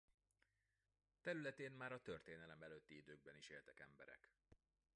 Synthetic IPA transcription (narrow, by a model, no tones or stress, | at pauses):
t̪ɛɾylɛt̪eːnmaːɾɒt̪ø̞rt̪eːnɛlɛmɛløːt̪ːiid̪øːɡ̚bɛniʃeːlt̪ɛkɛmbɛ̰ɾɛ̰k